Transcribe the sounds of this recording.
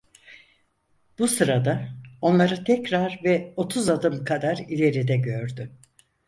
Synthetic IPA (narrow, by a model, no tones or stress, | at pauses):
b̥usɯɾad̪ao̞nlˠaɾɯt̪ʰɛcɾaɾvɛo̞t̪ʰuzad̪ɯmkʰad̪aɾilʲe̞ɾid̪ɛɟøɾd̪ʏ